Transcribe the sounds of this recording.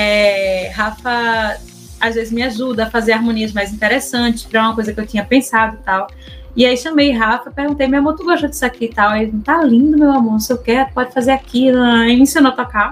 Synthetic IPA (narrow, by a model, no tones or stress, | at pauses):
ɛɦafɐ | azvezɪzmɪaʒud̪ɐːfazeɾaɾmõniɐzmajzĩt̪ɛɾesɐ̃t͡ʃɪ̥fɛɾɛũmɐkojzɐkɪewt̪ĩɲɐpẽsad̪ʊt̪aw | iaiʃɐ̃mejɦafɐpeɾɡũt̪ejmeamõt̪uɡoʃɐd͡ʒ̪i̥sakit̪awɛ̃t̪alĩd̪ʊmewamɐ̃nʊsewkɛɾpɔd͡ʒɪfazeakiɐ̃eĩsĩnot̪ɔka